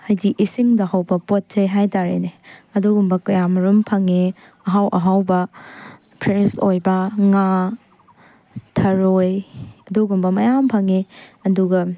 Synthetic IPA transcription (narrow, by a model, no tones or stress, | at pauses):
hajdiʔisiŋdɐɦawbɐpot̚tejɦajtaɾḛneɐduɡumbɐkɐjamɐɾumpʰɐŋe | ɐɦawʔɐɦawbɐ | pʰɾensojbɐŋa | tʰɐɾojɐduɡumbɐmɐjampʰɐŋeɐduɡɐ